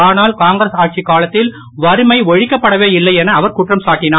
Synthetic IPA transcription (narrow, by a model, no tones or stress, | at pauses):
aːnaːlkaːŋɡɾɐsaːʈ̚t͡ʃikːaːlɐt̪ːɪl | ʋɐɾɯmɐɪɔɻɪkːɐpːɐɽɐʋeːɪlːɐɪɛnɐːʋɐɾkʊʈrɐmsaːʈːɪnaː